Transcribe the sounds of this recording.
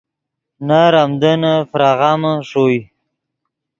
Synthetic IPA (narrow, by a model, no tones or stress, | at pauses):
naɾamd̪ənafɾaɣaməʂoj